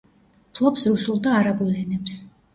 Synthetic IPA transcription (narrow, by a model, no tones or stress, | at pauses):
pʰlˠɔpsɾusulˠd̪aːɾabulɛnɛps